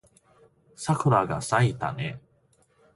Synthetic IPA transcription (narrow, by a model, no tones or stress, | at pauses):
sakɯ̟ɾaɡasait̪a̰ne